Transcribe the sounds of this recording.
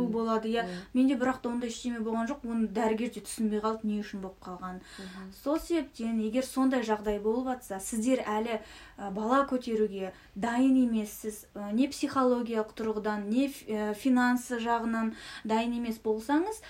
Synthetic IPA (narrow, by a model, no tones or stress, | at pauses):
ubo̞lˠɑd̪əjɑme̞nd̪e̞bɪɾɑqt̪ɑwond̪ɑjɪʃt̪e̞me̞bo̞lˠʁɑnʒo̞qwo̞nəd̪æɾɪɡʲe̞ɾd̪e̞t̪ʰʏ̥sɪnbejqʰɑlˠəne̞ʏʃɪnbo̞lˠə̥p̚qʰɑlˠʁɑnso̞lˠse̞be̞p̚t̪e̞ne̞ɡʲe̞ɾso̞nd̪ɑjʒɑʁd̪ɑjbo̞lˠəpɑt̪sɑsɪzd̪e̞ɾælɪ | əbɑlˠɑkʲʰɵt̪e̞ɾuɡʲe̞ | d̪ɑjəne̞me̞sːɪzəne̞psijχo̞lˠo̞ɡʲijalˠəqt̪ʰʊɾʁəd̪ɑnːe̞əfʲijnansəʒɑʁənɑnd̪ɑjəne̞me̞sbo̞lˠsɑɴəz